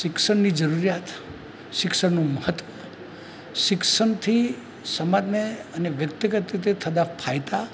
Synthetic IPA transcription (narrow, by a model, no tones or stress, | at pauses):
ʃɪksəɳnid͡ʒəɾuɾjat̪ | ʃɪksəɳnũməɦət̪ʋə | ʃɪksəɳt̪ʰi | səmad̪meəneʋjək̚t̪əɡət̪ɾit̪̬et̪ʰəd̪apʰajt̪a